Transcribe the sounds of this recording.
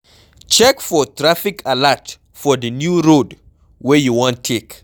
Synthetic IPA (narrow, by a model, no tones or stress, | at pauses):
t͡ʃɛkfɔtʰɹafɪkʰalat | fɔðənjuɹod | wɛjuwɔ̃ntʰek